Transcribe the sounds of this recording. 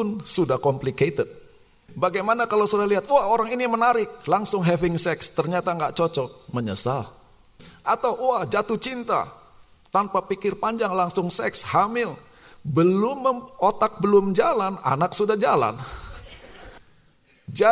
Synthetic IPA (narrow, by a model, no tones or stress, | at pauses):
ʊnsudahkɔmpliket̪ət̪̚ | baɡajmanakalawsudahliɦat̪̚uahoɾaŋinimənaɾɪk̚laŋsʊŋɦɛvɪŋsɛkst̪ərɲat̪aŋɡaʔt͡ʃot͡ʃɔməɲə̰sal | ʔat̪awʔuahd͡ʒat̪ʊht͡ʃint̪a̰ | t̪anpapikɪrpaɲd͡ʒaŋlaŋsʊŋsɛkshamɪl | bəlʊmːəot̪ak̚bəlʊmd͡ʒalana̰naksudahd͡ʒala̰n | d͡ʒa